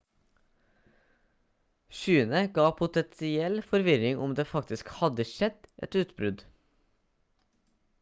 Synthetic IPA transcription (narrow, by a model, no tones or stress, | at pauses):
ʃyːənəɡɑːpʰʊt̪ɛnsɪɛlfɔɾʋɪɾɪŋʔʊmd̪eːfɑkt̪ɪskhɑd̪əʃɛd̪̥ʔɛ̰t̪ʉːt̪bɾʉd̪